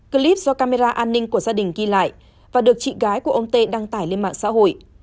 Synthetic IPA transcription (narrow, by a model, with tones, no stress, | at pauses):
ki˧li˦˥p̚zɔ˧kaː˧me˧zaː˧ʔaː˧nːï˧ŋ̟ku˧˩əzaː˧ɗï˨˩ŋ̟ɣi˧la̰ː˧˨jʔ | vaː˨˩ɗɨ˨˩ək̚t͡ɕḭ˧˨ɣaː˨˦jku˧˩ʔə˧wŋ͡mt̪e˧ɗaː˧ŋt̪aː˧˩jle˧nma̰ː˧˨ŋsa̰ː˧˥ho̰˧˨j